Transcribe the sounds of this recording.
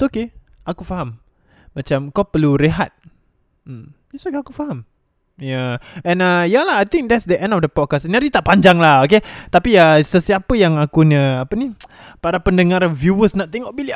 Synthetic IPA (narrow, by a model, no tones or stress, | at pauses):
oke | akufaɦam | mat͡ʃamkapəluɾeɦat̪̩̚ | ɛsokeakufaɦam | jaɛ̃nəjalaɦajt̪ĩŋk̚dɛtsdəʔɛ̃ndɔfdəpɔt̚kasɛnaɾit̪aʔpaɲd͡ʒaŋlahoket̪apiəsəsiapəjaŋakuɲəapəni | paɾapəndəŋaɾvjuwəsnaʔt̪ɛŋɔʔ̚bili